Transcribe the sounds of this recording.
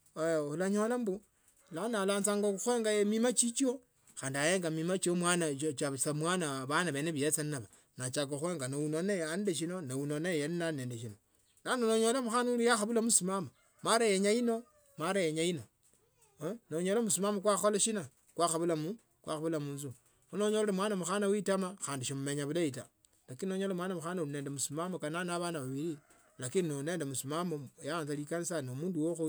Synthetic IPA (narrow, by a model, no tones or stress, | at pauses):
olaɲolambu | lanalaːnt͡saŋɡouxweːŋɡajemimat͡ʃit͡ʃio | xaːndiajeːŋɡamimat͡ʃiomwanat͡ʃasamwaːnaβanaβeneβijet͡sannaβa | nat͡ʃakoxweːŋɡanounoneandeʃ̬inonaunonajeninaneːndeʃino | nanoloɲolambuxanuulijaxaβulamusimama | maɾajeɲajino̞ | maɾajeɲaino | noɲolmusimamokwaxolaʃina | kwaxaβulamu | kwa̰xaβulamunzu | xunoɲoleemwanamuxanawitamaxaːndiʃomumeɲaβulaita | lakininoɲolemwanamuxanauineːndemusimamokananaβanaβaβiɾi | lakininoneːndemusumamojaaːnzalikanisanomuːnduwoxu